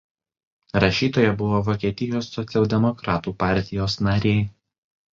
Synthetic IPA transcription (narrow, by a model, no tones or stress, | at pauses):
ɾɐʃʲiːt̪oːjɛbʊʋoːʋɔːkʲɛt̪ʲɪjoːsːɔt̪sʲɛlˠd̪ʲɛmɔkɾɑːt̪uːpɑˑɾʲt̪ʲɪjoːsnɐɾʲeː